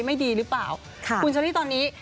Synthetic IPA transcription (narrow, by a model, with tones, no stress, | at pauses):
jma˥˩jdiː˧ɾɯː˦˥plaː˨˩w | kʰku˧nt͡ɕa˧ɾi˥˩t̪ɔː˧nːiː˦˥